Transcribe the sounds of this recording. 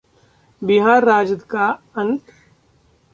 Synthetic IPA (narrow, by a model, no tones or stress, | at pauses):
bɪɦaːɾːaːd͡ʒəd̪kaː | ənt̪